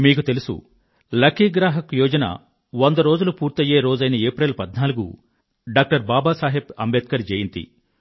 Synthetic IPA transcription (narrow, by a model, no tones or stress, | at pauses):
miːk̬ut̪e̞lusṵ | lɐkʰiɡɾaːɦɐkujɔːd͡ʒɐnɐ̰ | ʋond̪ɐɾo̞ːd͡ʒulupuːɾt̪ɐjeːɾo̞ːd͡ʒɐjnɐeːpɾelpɐd̪naːluɡṵ | ɖaːk̚ʈɐɾbaːbaːsaːɦebɐmbeːt̪̚kɐɾd͡ʒeːjint̪ḭ